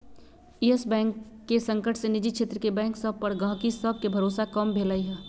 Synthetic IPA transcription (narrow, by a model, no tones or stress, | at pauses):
iesbɛ̃ːŋkːesə̃ŋkəʈʰsenɪd͡ʒit͡ʃʰeːt̪ɾəkebɛ̃ːŋksəb̚pɐɾɡãːkisəb̚kebʱɐɾoːsakəmbʱeːlaːiɦɛː